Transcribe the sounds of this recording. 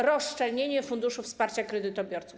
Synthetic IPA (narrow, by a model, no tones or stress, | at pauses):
ɾɔst͡ʂɛlɲeɲɛfund̪uʂufspaɾt͡ɕakɾɛd̪ɘt̪ɔbʲjɔɾt̪su